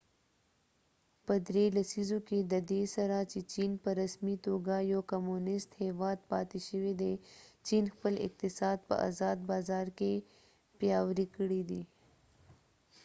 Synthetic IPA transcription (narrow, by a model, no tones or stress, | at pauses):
pɐd̪ɾeːlɐsizõked̪ɐd̪eːsɐɾaːt͡ʃit͡ʃiːnpɐɾɐsmit̪oːɡajoːkɐmuːnɪst̪hɛːʋaːd̪̚paːt̪iʃəwed̪et͡ʃiːnxpəlɪ̰k̚t̪ɪsaːd̪̚pɐ̰ʔa̰ːzaːd̪̚baːzaːɾke | pjaːwɾikɽid̪iː